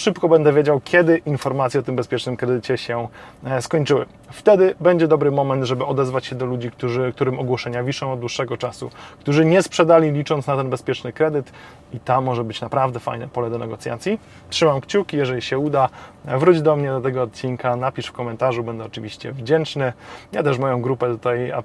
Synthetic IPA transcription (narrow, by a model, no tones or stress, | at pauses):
ʂɘpkɔbɛnd̪ɛvʲjed͡ʑawkʲjɛd̪ɘʔinfɔɾmat̪sʲjɛɔt̪ɘmbɛspʲjɛt͡ʂnɘmkɾɛd̪ɘt͡ɕɛɕɛskɔɲt͡ʂɘwɘ̰ | ft̪ɛd̪ɘbɛɲd͡ʑɛd̪ɔbɾɘmɔmɛnt̪ʐɛbɘɔd̪ɛzvat͡ɕɕɛd̪ɔlud͡ʑikt̪uʐɘk̚t̪uɾɘmɔɡwɔʂɛɲavʲiʂɔ̃w̃ɔd̪d̪wuʂːɛɡɔt͡ʂasṵkt̪uʐɘɲɛspʂɛd̪alʲilʲit͡ʂɔnt̪snat̪ɛnbɛspʲjɛt͡ʂnɘkɾɛd̪ɘt̪ | it̪amːɔʐɛbɘt͡ɕnapɾavd̪ɛfa̰jnɛpɔlɛd̪ɔnɛɡɔt̪sʲja̰t̪sʲji | tʂɘmamkt͡ɕukʲijɛʐɛlʲiɕɛud̪avɾud͡ʑd̪ɔmɲɛd̪ɔt̪ɛɡɔːt̪̚t͡ɕinkanapʲiʂfkɔmɛnt̪aʐubɛnd̪ɛɔt͡ʂɘvʲiɕt͡ɕɛ̰vd͡ʑɛnt͡ʂnɘjat̪ɛʂ̬mɔjɔ̃w̃ɡɾupɛt̪ut̪aja